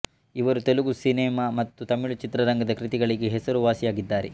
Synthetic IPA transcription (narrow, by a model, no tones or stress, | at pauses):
iʋɐɾut̪eluɡusinɛːmaːmɐt̪ːut̪ɐmiɭut͡ʃit̪ɾɐɾɐŋɡɐd̪ɐkɾit̪iɡɐɭiɡeɦɛsɐɾuʋaːsijaːɡid̪ːaːɾɛ